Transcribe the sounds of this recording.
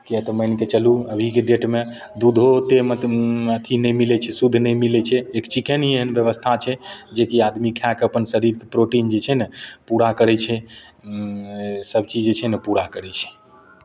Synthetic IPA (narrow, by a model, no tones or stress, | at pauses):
kiɛt̪ɔməjnket͡ʃəluəbʱikeɖeʈme | d̪ud̪ʱot̪eməət̪ʰinɛjmilɛt͡ʃʰɛsud̪ʱːnɛjmilɛt͡ʃʰɛekt͡ʃikʰenɦieɦənbjəβəst̪ʰat͡ʃʰɛd͡ʒekiad̪mikʰakəpənsəɾiɾkepɾoʈind͡ʒet͡ʃʰɛnəpuɾakəɾɛt͡ʃʰɛ | səbʱt͡ʃid͡ʒet͡ʃʰɛnəpuɾakəɾɛt͡ʃʰɛ̥